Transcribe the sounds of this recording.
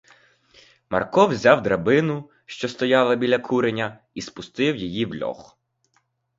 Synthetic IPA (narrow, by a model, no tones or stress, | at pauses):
mɐ̰rkɔwzʲɑwd̪ɾɐbɪnʊ | ʃt͡ʃɔst̪ɔjɑlˠɐbʲilʲɐkʰuɾenʲɐ | ispʊst̪ɪwjijiwlʲɔ̰x